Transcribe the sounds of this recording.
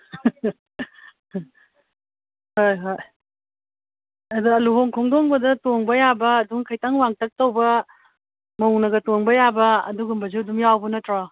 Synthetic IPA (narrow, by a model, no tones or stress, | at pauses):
hojɦoj | ɐdɐɐluɦoŋkʰoŋdoŋbɐdɐtoŋbɐjabɐːduŋkʰɐjtaŋwaŋtʰɐk̚towbɐ | mɐuŋnɐɡɐtoŋbɐjabɐɐ̰duɡumbɐziduŋjawbɐnɐtɾa